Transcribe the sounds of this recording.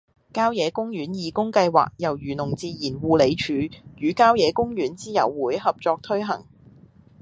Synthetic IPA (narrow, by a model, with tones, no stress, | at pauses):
kaː˥wjɛː˨˧˥kʊ˥ŋjyː˨˥njiː˨˩kʊ˥ŋkɐ˧jwa̰ː˨k̚jɐ˨˩wjyː˨˩nʊ˨˩ŋt͡siː˧jiː˨˩nwuː˨le˨˧jt͡ʃʰyː˨˥jyː˨˥kaː˥wjɛː˨˧kʊ˥ŋjyː˨˥nt͡siː˥jɐ̰˨˩wːuː˨˥jhɐ˨p̚t͡ʃɔː˧k̚t̪ʰɵ˥ɥɦɐ̰˨˩ŋ